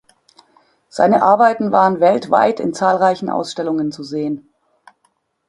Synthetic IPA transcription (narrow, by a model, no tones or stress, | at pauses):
z̥a̰ɪnəʔaɐbaɪtn̩vaːʁənvɛltv̥a̰ɪtʰɪ̰nt͡saːlʁaɪçn̩ʔa̰ʊsʃtɛlʊŋənt͡suzeːən